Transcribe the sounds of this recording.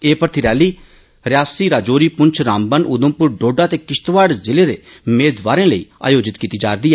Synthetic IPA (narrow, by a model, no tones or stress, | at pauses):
eːpəɾt̪ʰiɾɛːliː | ɾɪaːsiɾaːd͡ʒoːɾiːpʊɲt͡ʃʰɾaːmbənʔʊd̪ə̃mpʊɾɖoːɖaːt̪eːkɪʃt̪ʋaːɽzɪleːd̪ḛː | meːd̪ʋaːɾẽːləḭːa̰ːjoːd͡ʒɪt̪kiːt̪iːd͡ʒaːɾd̪iːɛː